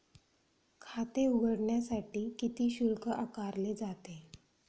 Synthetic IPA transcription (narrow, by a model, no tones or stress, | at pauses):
kʰat̪euɡəɽɳjasaʈiːkit̪iːɕulkəʔakaɾled͡zat̪e